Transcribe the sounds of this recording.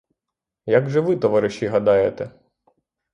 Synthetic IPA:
jɐɡʒɛʋɪt̪ɔʋɑɾɪʃiɦɐd̪ɑjet̪ɛ

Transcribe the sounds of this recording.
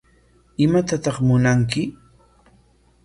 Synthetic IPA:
ɪmat̪at̪ɑχmʊnaŋkɪ

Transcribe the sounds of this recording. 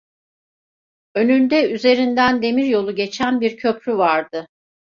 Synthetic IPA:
ø̞nynd̪ɛyze̞ɾind̪ænd̪e̞miɾjo̞lˠuɟe̞t͡ʃʰænbiɾcʰø̞pɾyvaɾd̪ɯ

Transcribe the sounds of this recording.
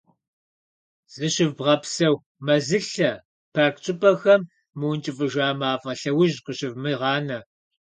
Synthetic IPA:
z̥ɨɕɪvbʁɐpsɐw | mɐzɨɬɐ | pʰarkt͡ʃʼɪpʰʼɐxɐmː | ɨwnt͡ʃʼɪfʼɨʒaːmaːfʼɐɬɐwʊʒqəɕɪvmɨʁɑːnɐ

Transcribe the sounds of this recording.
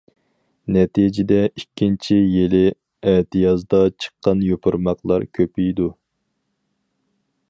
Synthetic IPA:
nɛt̪ʰid͡ʒɪd̪ɛikʲʰːint͡ʃʰijelɪ | ɛt̪ɨjɑzd̪ɑt͡ʃʰə̥qːɑnjopʰʊɾmɑqlˠɑ̰ɾkʲʰøpijd̪u

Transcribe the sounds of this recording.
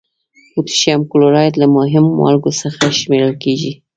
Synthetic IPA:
put̪ʃjamkʊloɾɑjt̪lamʊɦɪmoma̰lɡosəxaʃmeɾəlkeʒi

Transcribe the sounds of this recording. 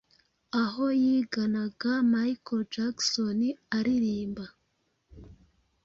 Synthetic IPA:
aɦo̞jiɡanaɡamajkod͡ʒaksoniaɾiɾiːmba

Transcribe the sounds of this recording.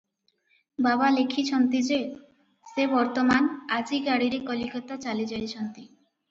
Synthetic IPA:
babalekʰit͡ɕʰɔnt̪id͡ʑe | sebɔɾt̪omanad͡ʑiɡaɽiɾikɔlikɔt̪at͡ɕalid͡ʑajt͡ɕʰɔnt̪i

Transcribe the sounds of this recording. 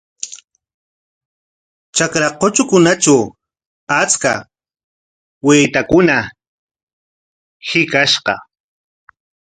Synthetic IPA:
t͡ʃakɾaqot͡ʃʊkʊnat͡ʃaw | at͡ska̰ | wɪːt̪akʊna | hɪkaʃqɑ̰

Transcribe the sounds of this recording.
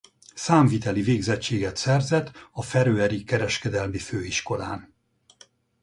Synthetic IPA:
saːɱvit̪ɛliveːɡzɛt͡ʃːeːɡɛt̪sɛrzɛt̪ɒfɛɾøːɛɾikɛɾɛʃkɛd̪ɛlmiføːiʃko̞laːn

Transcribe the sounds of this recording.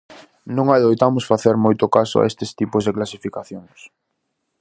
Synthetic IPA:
nõŋajðojt̪amʊsfaθeɾmojt̪ʊkasʊ̰a̰est̪ɪst̪ipʊzðeklasifikaθjoŋs

